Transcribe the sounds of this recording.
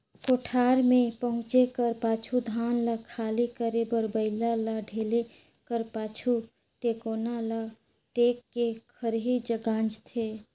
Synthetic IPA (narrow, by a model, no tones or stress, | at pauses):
koːʈʰaːɾmẽpəɦʊ̃t͡ʃekəɾpaːt͡ʃʰud̪ʱaːnlakʰaːlikəɾebəɾbəɪlalaɖʱeːle | kəɾpaːt͡ʃʰu | ʈeːkoːnala | ʈeːkːekʰəɾɦid͡ʒəɡãːnd͡ʒt̪ʰeː